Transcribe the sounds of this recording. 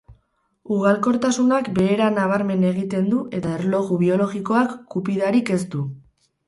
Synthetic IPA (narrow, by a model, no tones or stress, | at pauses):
uɣ̞alko̞ɾt̪asunakbe̞ːɾanaβaɾme̞ne̞ɣit̪e̞nd̪uʔe̞t̪aeɾlo̞ɣuβ̞io̞lo̞ɣiko̞akːupiðaɾike̞st̪u